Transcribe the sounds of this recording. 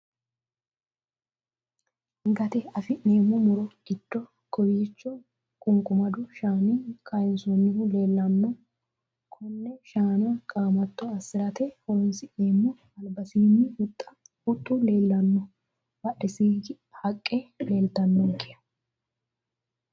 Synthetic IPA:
ɡɐt̪ɛɐfɪneːmʊmʊɾɔɡɪt̪ːɔ | kɔwiːt͡ʃːɔ | kʼʊŋkʼʊmɐd̪ʊʃaːnikʰajɪnsonːɪhʊle̞ːlːɐnːɔ | kʰɔnːɛʃaːnɐkʼaːmɐt̪ːɔɐsːɪɾɐt̪ɛhɔɾɔnsɪʔneːmːʊ | ɐlbɐsiːnːɪʊt̪ʼːɐ | ʊt̪ʼːʊle̞ːlːɐnːɔ | bɐʔɪsiːɡɪ | hɐkʼːele̞ːlt̪ɐnːɔŋkɪjɐ̥

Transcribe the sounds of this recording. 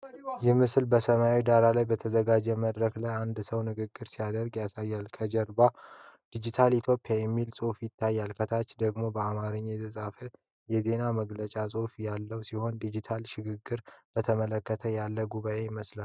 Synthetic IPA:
jɛmɨslbəsəmawid̪aɾalajbət̪ʰəzəɡad͡ʒɛməd̪ɾəklajand̪səwnɨɡɨɡːɨɾsijad̪əɾɡjasajːalkʰəd͡ʒɛɾbad̪̥id͡ʒit̪ʰalit̪ʰjo̞pːijajɛmːilsʼofjɪt̪ːajːalkʰət̪ʰat͡ʃːd̪əɡmo̞bəamaɾɨɲːjɛt̪ʰɨsʼafə | jɛze̞naməɡlət͡ʃʼasʼofjalːəwsiho̞nd̪id͡ʒit̪ʰalʃɪɡɨɡːɨɾbət̪ʰəmələkːət̪ʰəjalːəɡuβaʔe̞jɪməsla

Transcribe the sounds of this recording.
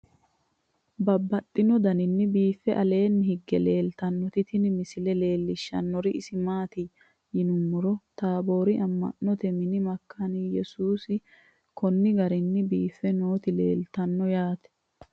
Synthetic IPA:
bɐbːɐt̪ʼːɪnɔd̪ɐnɪnːɪbiːfːɛʔɐle̞ːnːɪhɪɡːɛle̞ːlt̪ɐnːɔt̪ɪt̪ɪnɪmɪsɪlɛle̞ːlːɪʃːɐ̰nːɔɾɪʔɪsɪmaːt̪i | jɪnʊmːʊɾɔt̪aːbo̞ːɾɪɐmːɐ̰nːɔt̪ɛmɪnɪmɐkʰːɐnijɛsuːsɪ | kʰɔnːɪɡɐɾɪnːɪbiːfːɛnoːt̪ɪle̞̰ːlt̪ɐnːɔjaːt̪ɛ̥

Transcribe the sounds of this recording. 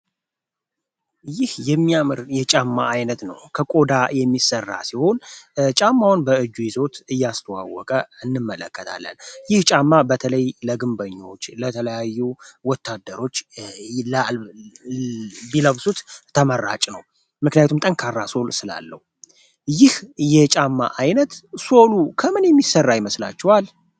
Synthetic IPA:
jɪhjɛmːiamɨɾjɛt͡ʃʼamːa̰ʔajnət̪nəwkʰəkʼo̞d̪ajɛmːisərːa̰siho̞nt͡ʃʼamːawunbəɨd͡ʒːujizo̞t̪ɨjːast̪ʰəwa̰wːɔkʼəɨnːɨmːələkːət̪ʰa̰lːə̰njɪht͡ʃʼamːabət̪ʰələjləɡɨmbəɲːo̞t͡ʃːlət̪ʰələjajːuwɔt̪ʰːad̪ːəɾo̞t͡ʃːl | biləβsut̪t̪ʰəmərːa̰t͡ʃʼnəw | mɨknijat̪ʰumt̪ʼəŋkʰarːaso̞lsɨla̰lːə̰hu | jɪhjɛt͡ʃʼamːa̰ʔajnət̪so̞lukʰəmɨnjɛmːisərːajɪməsla̰t͡ʃːɛwal

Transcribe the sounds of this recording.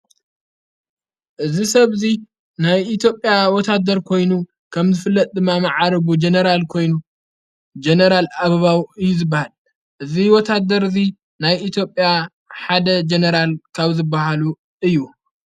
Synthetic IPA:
ʔɨzisɐβzi | najit̪ʰjo̞pʼːjawɔt̪ʰad̪ɐɾkʰo̞jnu | kʰɐmzɨfɨlːɐt̪ʼd̪ɨmːamɐʕaɾɐβud͡ʒenɐɾalkʰo̞jnu | d͡ʒenɐɾalaβɐβawɨjːuzɨbːahal | ʔɨziwɔt̪ʰad̪ɐɾzi | najʔit̪ʰjo̞pʼja | ħad̪ɐd͡ʒenɐɾalkʰaβzɨbːahalu | ʔɨjːu

